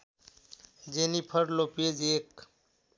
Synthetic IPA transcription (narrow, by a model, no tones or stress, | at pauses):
d͡ʒenipʰəɾloped͡ʒeːk